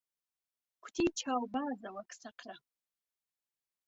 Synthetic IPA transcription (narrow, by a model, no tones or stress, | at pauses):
kʷʰtʰit͡ʃʰawbazawakʰʼsaqʰra